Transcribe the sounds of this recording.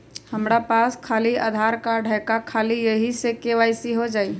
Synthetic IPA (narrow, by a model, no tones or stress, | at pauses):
həmɾapaskʰaːlia̰d̪ʱaɾkaɖʱəkakʰalijəɦisekeʋaɪsiɦod͡ʒaːi